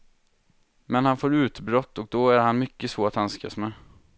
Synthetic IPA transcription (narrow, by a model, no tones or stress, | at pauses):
mɛnhanfoːɾʉ̟ːt̪bɾɔt̪ːɔk̚d̪ɔæɾhanmʏkːəsvoːɾat̪hanska̰smɛ